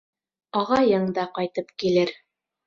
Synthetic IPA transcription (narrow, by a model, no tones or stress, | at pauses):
ɑʁɑjɤɴd̪ɑqɑjt̪ɤpkilɘɾ